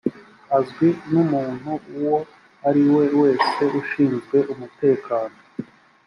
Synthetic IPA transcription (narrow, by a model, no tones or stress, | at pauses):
azɡwinumuːn̥huuwo̞ | aɾiwe̞we̞ːse̞uʃiːnzɡwe̞ʔumute̞ːkaːno̞